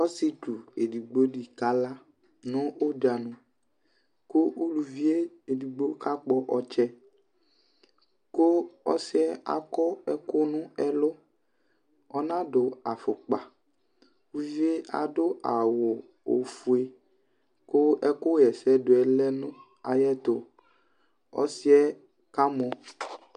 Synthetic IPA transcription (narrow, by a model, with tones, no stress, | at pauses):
ɔ˦si˦tu˨e˨di˨ɡ͡bo˦ɖi˨ka˦la˦ | nʊ̃˦o˦da˨nʊ̃˨ | ko˦ʔu˦lu˨vi˦e˦ | e˨di˨ɡ͡bo˦ka˦k͡pɔ˦ʔɔ˦t͡ʃɛ˦ | ko˦ɔ̰˦sɪ˦ɛ˦a̰˨kɔ˦ɛ˦kʊ˦nʊ̃˦ɛ˦lʊ˦ | ɔ˦nã˦ɖʊ˨a˨fʊ˨k͡pa˨ | wu˦vi˦e˦a̰˨ɖʊ˦a˨wʊ˨ | o̰˨fu˨e˦ | ko˦ɛ˦ko˦jɛ˨sɛ˦do˨ɛ˨lɛ˦nũ˦ | a˨jɛ˦t̪o˨ | ɔ̰˦si˦ɛ˦ | ka˦mɔ˨